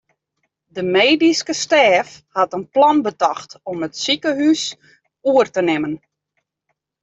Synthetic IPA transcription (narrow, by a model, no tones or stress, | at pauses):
dəmeːdiskəstɛːfhatənplɔnbətɔxtɔmətsikəɦys | uərtənɪmən